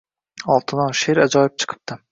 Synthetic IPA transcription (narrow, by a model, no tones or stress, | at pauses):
ɒlˠt̪ʰɨnɒʃeɾæd͡ʒɒjɪp̚t͡ʃʰɨ̥qʰɨ̥p̚t̪ʰɪ